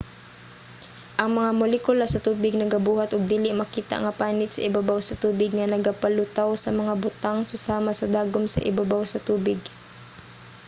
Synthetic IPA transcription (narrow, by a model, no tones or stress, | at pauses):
ʔɐŋmɐŋamʊlɛkʊlasɐt̪uːbɪɡ̚nɐɡɐbuːhat̪ʔʊɡ̚d̪iːlɪʔmɐkiːt̪a̰ŋɐpaːnɪt̪̚sɐ̰ʔɪbabawsɐt̪uːbɪɡŋɐnɐɡapɐlʊt̪awsɐmɐŋabʊt̪aŋsʊsaːmasɐd̪aːɡʊmsɐ̰ʔɪ̰babawsɐt̪uːbɪɡ